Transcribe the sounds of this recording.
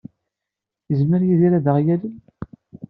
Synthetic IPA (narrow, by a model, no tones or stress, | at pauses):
jəzməɾjiðiɾæðəʁjæli